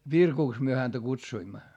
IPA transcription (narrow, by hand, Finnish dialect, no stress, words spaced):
ʋirkuks myø hæntæ kutsuimːɑ